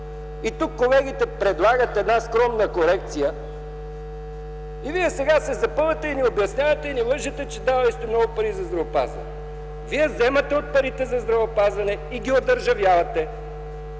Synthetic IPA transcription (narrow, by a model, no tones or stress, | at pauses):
it̪ukːolɛɡit̪ɛpɾɛd̪lˠaɡət̪ɛd̪naskɾɔmnəkoɾɛkt̪sijə | iviɛsɛɡasɛzɐpəlˠɐt̪ɛiniobjɐsnʲjavɐt̪ɛinivəʒɐt̪ɛt͡ʃɛd̪avɐist̪omnɔɡʊpɐɾizɐzd̪ɾɐvopa̰zvɐ̰nɛ | viɛzɛmɐt̪ɛot̪̚pɐɾit̪ɛzɐzd̪ɾɐvəopazvɐnɛ | iɡʲiod̪əɾʒɐvjavɐt̪ɛ